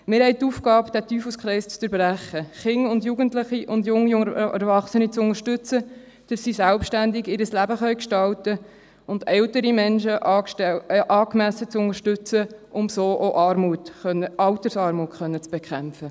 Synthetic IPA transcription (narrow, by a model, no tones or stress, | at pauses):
mɪɾhɛɪt̪ufkɑːpd̥ætyːfuskʰɾɛɪst͡st͡səɾbɾæχəχɪŋʊndjuːɡəntlɪχiʔʊndjʊŋːijʊŋɛɾvɑχsənit͡sʊŋəɾʃtʉt͡sə | d̪̥əssisælpʃtændɪɡɪɾəslæbəχœɥkʃtɑltə | ʊndɛltəɾimɛnʃəʔɑːʃɛʔɑːkmæsət͡sʊnəɾʃtʏt͡səʔʊmsoːʔoʔɑɾmutœəɑlt̪əɾsɑːɾmuːtχœnːət͡sb̥ekχæmpfə